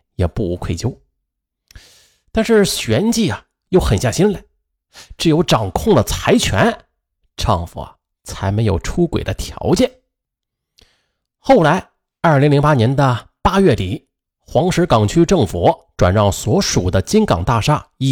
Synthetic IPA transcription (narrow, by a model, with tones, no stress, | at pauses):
jɛ˨˩pu˥˩u˧˥kʰwe˥˩ɪt͡ɕjo˥ʊ | t̪a˥˧nʂɻ̩˥˧˩ɕɥɛ˧˥nt͡ɕi˥˩ɐ˨ | jo˥˩ʊxə˨˩nɕja˥˩ɕi˥nle˨˩˦ | ʈ͡ʂɻ̩˧˩jo˧˥ʊʈ͡ʂɑ˨˩ŋkʰʊ˥˩ŋd̪ə˩t͡sʰa˧˥ɪt͡ɕʰɥɛ̰˧˥n | ʈ͡ʂʰɑ̰˥˩ŋfṵ˨˩ | t͡sʰa˧˥ɪme˧˥ɪjo̰˨˩ʊʈ͡ʂʰu˥kwḛ˨˩ɪd̪ə˦t̪ʰjɑ̰˧˥ʊt͡ɕjɛ˥˩n | xo˥˩ʊla˧˥ɪ | ɐ˞˥˩li˧˥ŋli˧˥ŋpa˥njɛ˧˥nd̪ə˧ | pa˥ɥɛ˥˩t̪i˨˩ | xwɑ˧˥ŋʂɻ̩˧˥kɑ˨˩ŋt͡ɕʰy˥ʈ͡ʂɤ˥˩ŋfu˨˩ʈ͡ʂwa̰˨˩nɻɑ˥˩ʊswɔ˧˥ʂu˨˩d̪ə˦t͡ɕi˥nkɑ˨˩ŋt̪a˥˩ʂa˥i˥˧